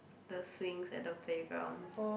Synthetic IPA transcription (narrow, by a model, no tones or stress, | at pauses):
dəswɪ̃ŋsɛ̰t̚dəpʰlebɹã̰n